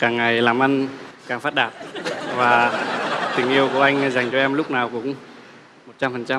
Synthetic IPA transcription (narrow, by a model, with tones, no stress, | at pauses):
kaː˨˩ŋːa˨˩jlaː˨˩mʔə˧n | kaː˨˩ŋfaː˦˥t̚ɗaː˧˩t̚vaː˨˩ | t̪ï˨˩ŋ̟ʔi˧əwku˧˩əʔa˧jŋ̟za˨˩jŋ̟t͡ɕɔ˧ʔɛ˧mlʊ˦˥k͡p̚naː˨˩wkʊ̰˨˧˦ŋ͡m | mo˨˩t̚t͡ɕa˧mfə˨˩nt͡ɕa˧m